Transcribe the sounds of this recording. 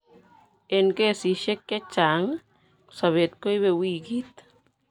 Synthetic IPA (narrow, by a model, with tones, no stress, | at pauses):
e˧nke˦˨si˨ʃe˦kːe˦t͡ʃa˨ŋ | sa˨βe˨t̪̚ko˦jβe˧wi˦ki˦t̪̚